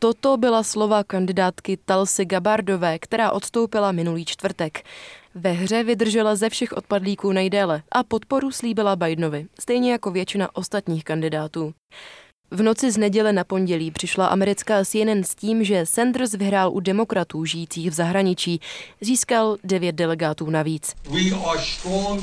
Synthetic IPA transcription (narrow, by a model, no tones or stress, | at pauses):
t̪o̞t̪o̞bɪlaslo̞vakandɪdaːt̪kɪt̪alsɪɡabaɾdo̞vɛːkt̪ɛɾaːʔo̞t̪st̪o̞wpɪlamɪnuliːt͡ʃt̪vr̩t̪ɛkvɛɦr̝ɛvɪd̪r̩ʒɛlazɛfʃɛxʔo̞t̪̚padliːkuːnajdɛːlɛʔapo̞t̪po̞ɾusliːbɪlabajdno̞vɪst̪ɛjɲɛjako̞vjɛt͡ʃɪnaʔo̞st̪at̪ɲiːxkandɪdaːt̪uː | vno̞t͡sɪznɛɟɛlɛnapo̞nɟɛliːpr̥ɪʃlaʔa̰mɛɾɪt͡skaːsɪɛnɛnsciːmʒɛsɛnd̪r̩svɪɦɾaːlʔudɛmo̞kɾat̪uːʒɪjiːt͡siːxvzaɦɾaɲɪt͡ʃiːziːskaldɛvjɛt̪̚dɛlɛɡaːt̪uːnaviːt͡swiastɔŋ